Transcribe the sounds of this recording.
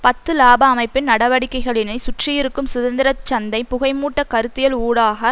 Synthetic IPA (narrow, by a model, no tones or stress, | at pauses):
pɐt̪ːɯlaːbɐːmɐɪpːɪnnɐɽɐʋɐɽɪkːɐɪɣɐɭɪnɐɪsʊʈrɪjɪɾɯkːɯmsʊðɐnd̪ɪɾɐt͡ʃːɐnd̪ɐɪpʊɣɐɪmuːʈːɐkɐɾɯt̪ːɪjɐluːɽaːɣɐ